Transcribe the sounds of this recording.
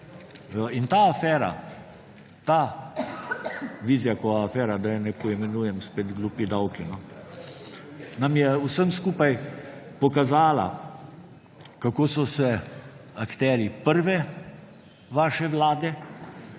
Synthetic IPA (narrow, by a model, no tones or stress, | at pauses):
int̪aːafɛːɾa̰ | t̪a | ʋiːzijakɔaːfɛːɾad̪ajɛnɛpɔimɛnuːjɛmspeːt̪ɡluːpid̪awkinɔ | namjɛusəmskuːpajpɔkazaːla̰ | kakoːsɔsɛakt̪ɛːɾipəɾʋɛ | ʋaːʃɛʋlaːd̪ɛ